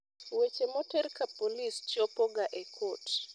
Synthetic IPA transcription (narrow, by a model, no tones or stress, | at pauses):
wet͡ʃemotɛrkapolist͡ʃɔpoɡaʔekʰot